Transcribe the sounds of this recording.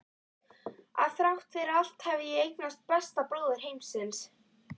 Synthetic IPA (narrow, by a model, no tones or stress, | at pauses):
a̰ðθɾawht̪fɪɾɾal̥t̪hɛvðɪjɛejknast̪̚pɛst̪aploːðʏɾ̥ɦejmsɪns